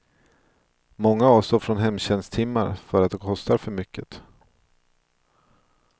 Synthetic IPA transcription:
mɔŋːaɑːvst̪oːɾfɾɔnɦɛmːɕɛnst̪ʰɪmːaɾfœɾat̪̚d̪ɛkʰɔst̪aɾfœɾmʏkʰːət̪

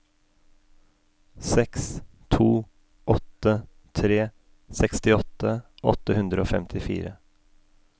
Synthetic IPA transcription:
sɛks | t̪ʰuː | ʔɔt̪ːə | t̪ʰɾeː | sɛkst̪ɪɔt̪ːəʔɔ̰t̪ːəhʉnd̪ɾəoːfɛ̰mt̪ʰɪfḭːɾə

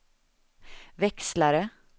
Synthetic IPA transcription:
ʋɛkslaɾə

